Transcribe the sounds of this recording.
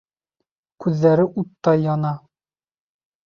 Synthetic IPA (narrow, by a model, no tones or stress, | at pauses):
kʉðːæɾɘʔut̪ːɑjɒnɑ